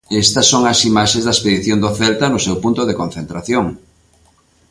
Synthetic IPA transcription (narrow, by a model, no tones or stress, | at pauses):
est̪ɐsːoŋɐsimaʃẽzðɐespeðiθjond̪oθɛlt̪anʊsewpunt̪ʊðekon̟θent̪ɾaθjoŋ